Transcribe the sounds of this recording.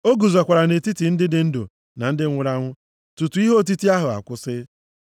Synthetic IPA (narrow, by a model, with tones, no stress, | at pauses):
o˦ɡu˨za˨kʷa˨ɾa˨ne˨ti˦ti˨n̩˦dɪ˦dɪ˨˦n̩˦dʊ̰˨ | na˨n̩˦dɪ˦ŋʷʊ˨˦ɾa˦ŋʷʊ˦ | tu˨tu˨i˦ɦo˦˨t̬i˦ti˦a˦ɦʊ˨a̰˨kʷʊ˦sɪ˦